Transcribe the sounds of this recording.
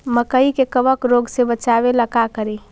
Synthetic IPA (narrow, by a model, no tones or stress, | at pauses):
məkəikekəʋəkɾoːɡsebət͡ʃaːʋeləkakəɾiː